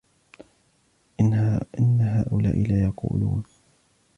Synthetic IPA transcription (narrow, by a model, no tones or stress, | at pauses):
ʔɪnːaɦaːʔʊla̰ːʔɪlaːjɑqṵːluːn